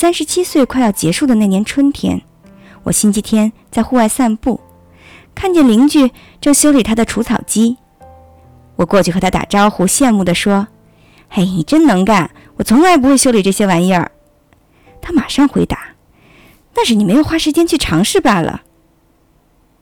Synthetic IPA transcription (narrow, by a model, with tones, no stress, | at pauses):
sa˥nʂɻ̩˧˥t͡ɕʰi˥swe˥˧ɪkʰwa˥˧ɪɑ˥˩ʊt͡ɕjɛ˧˥ʂu˥˩d̪ə˩na˥˩njɛ˧˥nʈ͡ʂʰwə˥nt̪ʰjɛ̰˧˥n | wɔ̰˨˩ɕi˥nt͡ɕʰi˥t̪ʰjɛ˥nt͡sa˥˧ɪxu˥˧wa˥˧ɪsa˥˧npu˥˩ | kʰa˥˩˧nt͡ɕjɛ˥˩nli˧˥ŋt͡ɕy˥˩ | ʈ͡ʂɤ˥˧ŋɕjo˥ʊli˨˩t̪ʰa˥d̪ə˨ʈ͡ʂʰu˧˥t͡sʰɑ̰˨˩ʊt͡ɕi˥ | wɔ˨˩kwɔ˥˧t͡ɕʰy˥˩xt̪ʰa˥t̪a̰˨˩ʈ͡ʂɑ˥ʊxu˧˥ɕjɛ˥˧nmu˥˩d̪ə˩ʂwɔ˥ | e˥˩ɪni˨˩ʈ͡ʂə˥nnɤ˧˥ŋka˨˩n | wɔ˨˩t͡sʰʊ˧˥ŋla˧˥ɪp̬u˧˥xwe˥˩ɪɕjo˥ʊli˨˩ʈ͡ʂɤ˥˩ɕjɛ˥wa˧˥njə̰˞˥˨˩ | t̪ʰa˥ma˨˩ʂɑ˥˧ŋxwe˧˥ɪt̪a˧˥˦ | na˥˧nʂɻ̩˥˩ni˨˩me˧˥ɪjo˨˩ʊxwa˥˩ʂɻ̩˧˥t͡ɕjɛ˥nt͡ɕʰy˥˩ʈ͡ʂʰɑ˧˥ŋʂɻ̩˥˩pa˨˩lə̰˩